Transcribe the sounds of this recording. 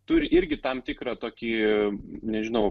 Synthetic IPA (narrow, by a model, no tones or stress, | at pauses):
t̪ʊɾʲɪʔɪɾʲɡʲɪt̪ɐmt̪ʲɪkɾɑt̪oːkʲiː | nʲɛʒʲɪnɐʊ